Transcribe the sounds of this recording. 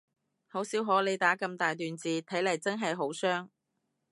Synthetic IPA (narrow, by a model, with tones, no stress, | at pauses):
ho˨˥wsiː˨˥wɦoː˨˥le˨˧jt̪aː˨˥kɐ˧mt̪aː˨jt̪yː˨nt͡siː˨t̪ʰɐ˨˥jlɐ˨˩jt͡sɐ˥nɦɐ˨jɦo˨˥wsœː˥ŋ